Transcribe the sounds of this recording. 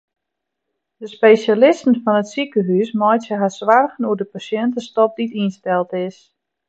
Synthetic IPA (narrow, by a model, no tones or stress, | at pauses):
dəspejsjalɪstən̩fɔnətsikəɦysmɔjtjəɦasʋarɣənuədəpasjɛntəstɔp̚ditinstɛlˠtɪs